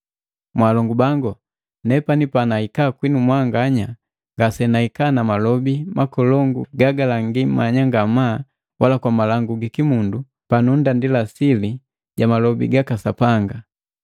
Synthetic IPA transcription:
mwaːlɔŋɡubaŋɡɔ | nɛpanipanaikakwinumwaŋɡaɲa | ŋɡasɛnaikaːnamalɔbimakɔlɔŋɡuɡaɡalaŋɡimaɲaŋɡamaː | walakwamalaŋɡuɡikimundu | panundandilasili | ɟamalɔbḭɡakasapaŋɡa

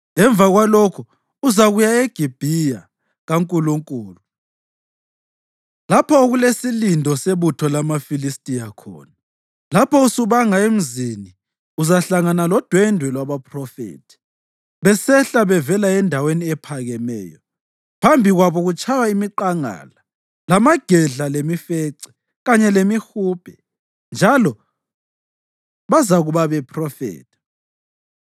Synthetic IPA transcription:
ɛɱb̪vaɣwalokʰu | uzaɣujaeɡ̥ʱib̥ʱija | ɣaŋkʼuluŋkʼuːlu | lapʰɔoɣulesilindʱɔseβutʰɔlamafilistʼijakʰɔ̰ːna | lapʰɔusuβaŋaem̩zini | uzaɬaŋanalɔd̥ʱwɛndʱwɛlwaβapʰʼrɔfḛːtʰi̥ | βɛsɛɬaβɛvɛlaɛndʱaweniɛpʰaɣɛmɛ̰ːjɔ | pʰambʱiɣwaβɔɣut͡ʃʰʼawaimiǃaŋa̰ːla | lamaɡ̥ʱɛɮalemifeǀi̥ | ɣaɲɛlemixupʰʼɛ | nd͡ʒʱalɔ | βazaɣuβaβɛpʰʼrɔfḛːtʰi̥

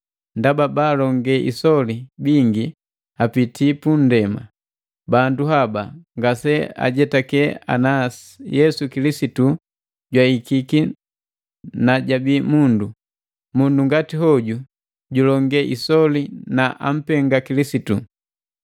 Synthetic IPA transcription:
ndababaːlɔŋɡɛʔḭsɔlibiŋɡi | apitʰipun̩dɛma̰ | banduɦabaŋɡasɛa̰ɟɛtakɛa̰nasi̥jɛsukilisitu | ɟwaikiki | naɟabimundu | munduŋɡatiɦɔɟu | ɟulɔŋɡɛʔisɔlinaʔa̰m̩pɛŋɡakilisitu

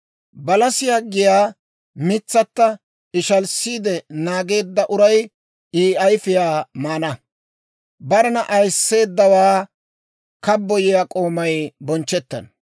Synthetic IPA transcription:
bɐlɐsɪjaːɡɪjaː | mɪt͡sːɐt̪ːɐ | ɪʃɐlsːiːd̪ɛnaːɡe̞ːd̪ːɐʔʊɾɐj | iːɐjfɪjaːmaːnɐ | bɐɾɛnɐʔɐjsːe̞ːd̪ːɐwaː | kɐbːɔjɪjaːkʼo̞ːmɐjbɔnt͡ʃːɛt̪ːɐ̰n

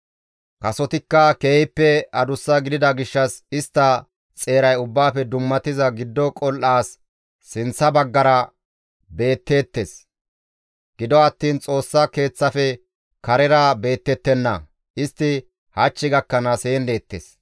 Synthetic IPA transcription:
kɐsɔt̪ɪkːɐkeːhɪpːɛɐd̪ʊsːɐɡɪd̪ɪd̪ɐɡɪʃːɐsɪst̪ːɐ | t͡sʼe̞ːɾɐjʊbːaːfɛd̪ʊmːɐt̪ɪzɐɡɪd̪ːɔkʼɔlʔaːsː | ɪnt͡sːɐbɐɡːɐɾɐ | be̞ːt̪ːe̞ːt̪ːes | ɡ̥ɪd̪ɔɐt̪ːiːnt͡sʼo̞ːsːake̞ːt͡sːɐfɛ | kɐɾɛɾɐbe̞ːt̪ːɛt̪ːɛnːɐ̰ | ʔɪst̪ːɪ | hɐt͡ʃːɪɡɐkːɐnɐse̞ːnd̪e̞ːt̪ːḛs

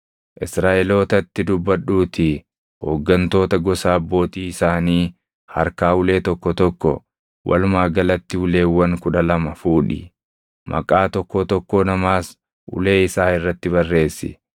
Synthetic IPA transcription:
ʔɪsɾaːʔɛlo̞ːt̪ɐt̪ːɪd̪ʊbːɐᶑuːt̪ɪ | ho̰ːɡːɐnt̪o̞ːt̪ɐɡɔsaːbːo̞ːt̪iːɪsaːniː | hɐ̰ɾkaːʊle̞ːt̪ɔkːɔt̪ɔkːɔ | wʔɐ̰lʊmaːɡɐlɐt̪ːɪʊle̞ːwːɐŋkʊᶑɐlɐmɐfuːᶑɪ̰ | mʔɐ̰kʼaːt̪ɔkːɔt̪ɔkːɔnɐmaːs | ʔʊ̰le̞ːɪsaːɪrːɐt̪ːɪβɐrːe̞ːsːɪ̰

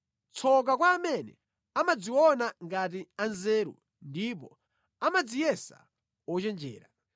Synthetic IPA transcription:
t͡sʰɔk̬akwaːmɛnɛ̰ | amad͡ziwɔnaŋɡat̬ianzɛːɾṵ | ndipɔ̰ | amad͡zijɛsa̰ | wɔt͡ʃɛnd͡ʒɛ̰ːɾa

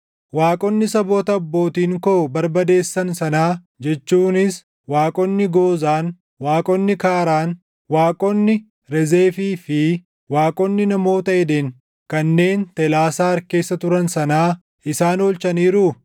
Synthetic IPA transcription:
waːkʼɔnːɪsɐboːt̪ɐːbːo̞ːt̪iːŋkoːbɐɾbɐd̪e̞ːsːɐnsɐnaː | d͡ʒɛt͡ʃːuːnɪs | waːkʼɔnːɪɡo̞ːzaːn | waːkʼɔnːɪkaːɾaːn | waːkʼɔnːɪ | ɾɛze̞ːfiːfɪ | waːkʼɔnːɪnɐmo̞ːt̪ɐɛd̪eːŋ | kɐnːe̞ːnt̪ɛlaːsaːɐɾke̞ːsːɐt̪ʊɾɐnsɐnaː | ɪsaːnoːlt͡ʃɐniːɾʊ

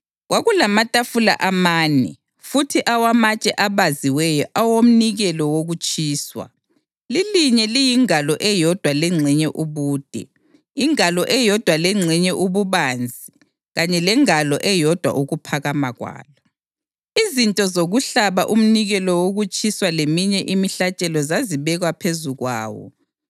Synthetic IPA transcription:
ɣwʔaɣulamatʼafula̰ʔamaːnɛ̰ | futʰiʔawamat͡ʃʼɛʔaβaziwɛjɔʔawom̩niɣɛlɔwoɣut͡ʃʼiːswa̰ | liliɲɛlijiŋalɔʔɛjɔd̥ʱwalɛŋ͡ǀʱiɲɛʔuβuːd̥ʱɛ̰ | iŋalɔʔɛjɔd̥ʱwalɛŋ͡ǀʱiɲɛʔuβuβand͡zʱi | ɣaɲɛlɛŋalɔʔɛjɔd̥ʱwa̰ʔuɣupʰaɣamaɣwa̰ːlɔ | izintʼɔzoɣuɬaβaʔum̩niɣɛlɔwoɣut͡ʃʼiswalemiɲɛʔimiɬat͡ʃʼɛlɔzaziβɛɣapʰezuɣwa̰ːwɔ̰

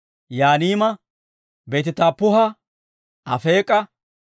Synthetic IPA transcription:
jaːniːmɐ | be̞ːt̪ɪt̪aːpːʊɦɐ | ʔɐfe̞ːkʼːɐ

